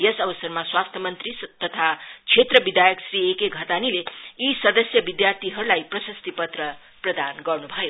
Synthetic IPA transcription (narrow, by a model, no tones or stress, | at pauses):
jʌsʌbʌsʌrmaswast̪ʰʌmʌnt̪rist̪ʌt̪ʰat͡sʰet̪rʌbid̪ajʌksriekeɡʱʌt̪anileisʌd̪ʌsjʌbid̪jart̪ʰiɦʌɾulajprʌsʌst̪ipʌt̪rʌ | prʌd̪anɡʌrnubʱʌjo